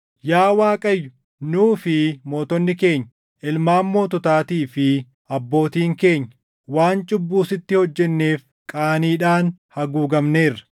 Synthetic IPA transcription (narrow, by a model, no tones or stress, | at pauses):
jaːwaːkʼɐjːʊ | nuːfɪmo̞ːt̪ɔnːɪke̞ːɲː | ɪlmaːmːo̞ːt̪ʊt̪aːt̪iːfɪ | ɐbːo̞ːt̪iːŋke̞ːɲːɐ | waːnt͡ʃʼʊbːuːsɪt̪ːɪhɔd͡ʒːɛnːe̞ːf | kʼaːniːᶑaːnhɐɡuːɡɐmne̞ːrːɐ̥